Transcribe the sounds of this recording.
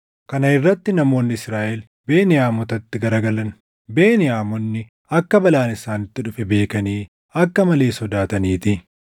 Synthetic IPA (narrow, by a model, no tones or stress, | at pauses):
kɐnɐɪrːɐt̪ːɪnɐmo̞ːnːɪɪsɾaːʔɛl | beːnɪjaːmɔt̪ɐt̪ːɪɡɐɾɐɡɐlɐn | beːnɪaːmɔnːɪ | ɐkːɐbɐlaːnɪsaːnɪt̪ːɪᶑʊfɛbe̞ːkɐniː | ɐkːɐmɐle̞ːsɔd̪aːt̪ɐniːt̪ɪ